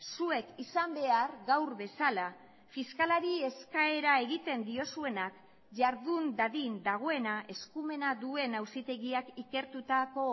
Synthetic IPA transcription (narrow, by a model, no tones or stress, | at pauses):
sue̞kisambe̞aɾɣawɾβe̞sala | fiskalaɾie̞skae̞ɾae̞ɣit̪e̞nd̪io̞sue̞nak | ʝaɾðund̪aðind̪aɣ̞o̞e̞naʔe̞skume̞naðue̞nawsit̪e̞ɣiakike̞ɾt̪ut̪ako̞